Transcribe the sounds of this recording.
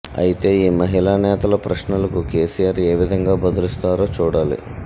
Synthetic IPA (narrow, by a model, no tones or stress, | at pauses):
ɐ̰jit̪e̞ːiːmɐɦilaːnɛːt̪ɐlɐpɾɐʂnulɐkuke̞ːsijaːɾe̞ːʋid̪ʱɐŋɡaːbɐd̪ɐlist̪aːɾo̞ːt͡ʃuːɽaːlḭ